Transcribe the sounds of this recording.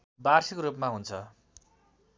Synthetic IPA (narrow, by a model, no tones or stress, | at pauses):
barsikoɾupmaɦunt͡sʰʌ